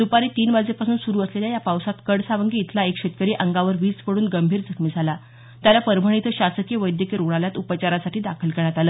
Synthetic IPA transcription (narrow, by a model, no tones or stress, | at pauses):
d̪upaɾiːt̪iːnʋad͡zepasuːnsuɾuːəsleljajapawsat̪kəɽsaʋəŋɡiːt̪ʰlaekɕet̪̚kəɾiːʔəŋɡaʋəɾʋiːt͡spəɽuːnɡəmbʱiːɾd͡zʱəkʰmiːd͡zʱala | t̪jalapəɾbʱəɳ̃it̪ʰəɕasəkjeʋəjd̪jəkeɾoɽ̃aljat̪upət͡ɕaɾasaʈʰiːd̪akʰəlkeɾɳjat̪aləː